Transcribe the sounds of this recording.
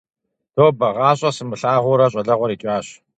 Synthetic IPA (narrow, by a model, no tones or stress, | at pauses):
tʰoːbɐʁɑːɕʼɐsɨmɨɬaːʁʷʊɾɐɕʼɐɮɐʁʷɔɾiːt͡ʃʼaːɕ